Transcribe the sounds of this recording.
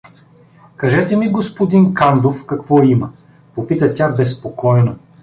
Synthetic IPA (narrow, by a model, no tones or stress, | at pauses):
kɐʒɛt̪ɛmiɡospod̪inkand̪ofkɐkvɔimɐ | popit̪ət̪ʲabɛspokɔjno